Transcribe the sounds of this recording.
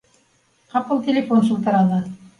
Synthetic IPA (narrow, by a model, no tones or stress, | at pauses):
qɑpɤ̆lˠt̪ʲelʲefons̬ulˠt̪ɤ̆ɾɑnɤ